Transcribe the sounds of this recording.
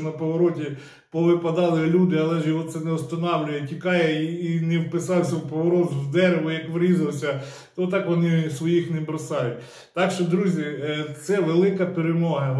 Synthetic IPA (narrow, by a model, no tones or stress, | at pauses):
nɐpɔʋɔɾɔtʲi | pɔʋɪpɐd̪ɑlˠɪlʲud̪ɪɐlˠɛʒjɔɦɔt̪sɛnɛʊst̪ɐnɑwlʲʊjɛtʲikɑjɛiːnɛwpɪsɑwsʲɐwpɔʋɔɾɔt̪wd̪ɛɾeʋʊjɐkʋɾʲizɐwsʲɐ | t̪ɔt̪ɑkʋɔnɪsʋɔjixnɛbɾɐsɑjʊt̚ʲ | t̪ɑkʃt͡ʃɔd̪ɾuzʲit̪sɛʋelˠɪkɐpeɾemɔɦɐ